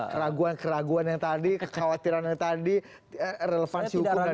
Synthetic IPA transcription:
ɾaɡuankəɾaɡuanjaŋt̪adikə̥kawat̪iɾanjaŋt̪adi | əɾeləfansiukʊɡa

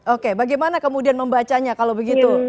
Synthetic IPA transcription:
okebaɡajmanakəmudianməmbat͡ʃaɲakalowbəɡit̪u

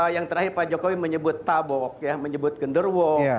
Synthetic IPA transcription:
jaŋt̪əɾahɪrpad͡ʒokowiməɲəbʊt̪ːabɔk̚jaməɲəbʊt̪̚ɡəndərwɔ

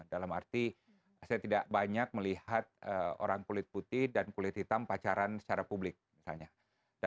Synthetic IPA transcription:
dalamart̪i | sajat̪idaʔbaɲak̚məlihat̪̚əo̰ɾaŋkulɪt̪̚put̪ɪhdankulɪt̪̚hit̪ampat͡ʃaɾansə̥t͡ʃaɾapublɪk̚misalɲa | da

